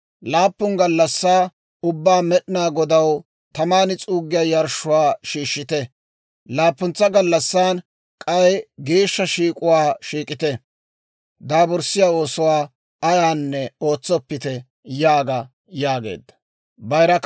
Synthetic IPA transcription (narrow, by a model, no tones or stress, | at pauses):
laːpːʊŋɡɐlːɐsːaː | ʊbːaːmɛɗɪnaːɡɔd̪ɐw | t̪ɐmaːnɪt͡sʼuːɡːɪjaːjɐɾʃʊwaːʃiːʃːɪt̪ɛ | laːpːʊnt͡sːɐɡɐlːɐsːaːn | kʼɐjɡeːʃːɐʃiːkʼʊwaːʃiːkʼɪt̪ɛ | d̪aːbɔɾsːɪjaːo̞ːsɔwaː | ɐjaːnːɛo̞ːt͡sːɔpːɪt̪ɛ | jaːɡɐ | jaːɡḛːd̪ːɐ̥ | bɐjɾɐk